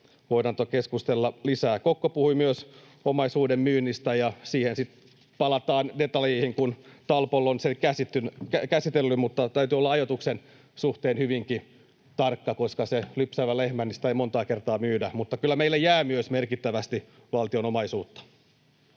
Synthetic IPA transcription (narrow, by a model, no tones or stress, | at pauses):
ʋoinɑnt̪okeskust̪elːɑlisæːkokːopuhuimyøs | omɑisuːdemmyːnːist̪æjɑsiːhensit̪ | pɑlɑt̪ɑːndet̪ɑleihiŋkunt̪ɑlpolːonsekæsit̪ːynkækæsit̪elːymut̪ːɑt̪æyt̪yolːɑɑjot̪uksen | suht̪eːnhyʋiŋki | t̪ɑrkːɑkoskɑselypsæʋælehmænist̪æeimont̪ɑːkert̪ɑːmyːdæmut̪ːɑkylːæmeilːejæːmyøsmerkit̪ːæʋæst̪i | ʋɑlt̪ionomɑisuːt̪ːɑ̥